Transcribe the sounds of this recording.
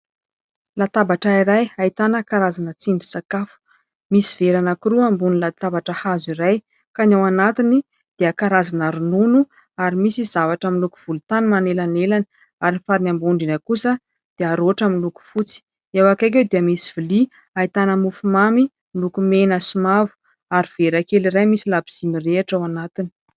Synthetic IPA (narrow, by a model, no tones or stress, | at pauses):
lat̪abaʈ͡ʂaiɾajait̪anəkaɾazanət͡siɳɖ͡ʐi̥sakafu̥ | misiv̥eɾanakiɾuambunilat̪abaʈ͡ʂəhaziɾaj | kanawanat̪ini | d̪̥eəkaɾazanaɾununu | aɾimisiz̥avaʈ͡ʂəmiluku̥v̥ulut̪animanelanelani̥ | aɾinifaɾinambuɳɖ͡ʐinəkusə | d̪̥eaɾoaʈ͡ʂamiluku̥fut͡si̥ | ewakajk̬ʲewd̪iəmisiv̥ili | ait̪anəmufumami | milukumenəsimavu̥ | aɾiv̥eɾakeliɾajmisilabiz̥imireaʈ͡ʂawanat̪ini̥